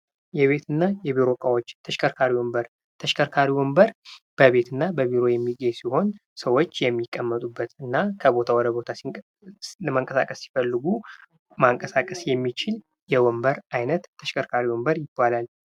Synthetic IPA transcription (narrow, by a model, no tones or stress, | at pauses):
jɛβe̞t̪ʰɨnːajɛβiɾo̞kʼawot͡ʃːt̪ʰəʃkʰəɾkʰaɾiwɔmbəɾ | t̪ʰəʃkʰəɾkʰaɾiwɔmbəɾb̥əβe̞t̪ʰɨnːabəβiɾo̞jɛmːiɡejsiho̞nsəwo̞t͡ʃːjɛmːikʼːəmːət̪ʼubːət̪ɨnːakʰəbo̞t̪ʰawɔd̪əbo̞t̪ʰas | maŋkʼəsa̰kʼəsːi̥fəlːɨɡu | maŋkʼəsakʼəsjɛmːit͡ʃɪl | jɛwɔmbəɾajnət̪ʰːəʃkʰəɾkʰaɾiwɔmbəɾjɪbːalal